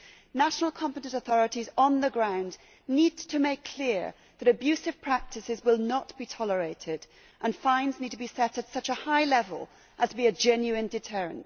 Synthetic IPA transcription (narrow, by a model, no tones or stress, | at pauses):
naʃnl̩ˠkʰɑ̃mpɨɾɨ̃ntəθɔɹɨɾizn̩ðəɡɹãʊ̃n | nid̚tʰɨmeɪkʰl̥ɪɹ | ðɨɾɨbjʉsɨv̥pʰɹ̥æk̚tʰɨsɨzwɪlˠnət̚b̥itʰɑlˠə˞eɪɾɪd | ʔə̃nfãɪ̃nznid̚tʰəbisɛɾɨtsʌt͡ʃəhaɪlɛvə̰lˠ | ʔəz̥tʰbiɨd͡ʒɛ̃njʉɨ̃ndɨtʰɜ˞ɨ̰̃nt